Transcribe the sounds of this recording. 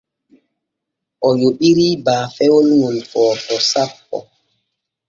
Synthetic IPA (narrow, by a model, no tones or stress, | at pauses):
ʔɔjoɓiɾiːbaːfɛwɔnwunfɔːtɔsapːɔ̰